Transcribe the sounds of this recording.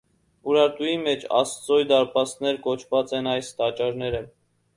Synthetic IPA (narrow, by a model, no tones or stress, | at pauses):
uɾɑɾt̪ujimɛt͡ʃʰɑ̰st̪t͡sɔjd̪ɑɾpɑst̪nɛɾkɔt͡ʃʰvɑt͡sɛnɑjst̪ɑt͡ʃɑɾnɛɾə